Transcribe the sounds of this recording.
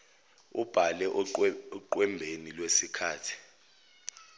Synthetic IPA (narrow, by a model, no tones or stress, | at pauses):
ub̥ʱalɛʔǃwɛmbʱenilwesikʰaːtʰi̥